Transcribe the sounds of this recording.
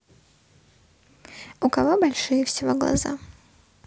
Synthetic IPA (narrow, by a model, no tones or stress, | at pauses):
ʊkɐvobɐlʲʂɨjɪfsʲɪvoɡlˠɐ̰za̰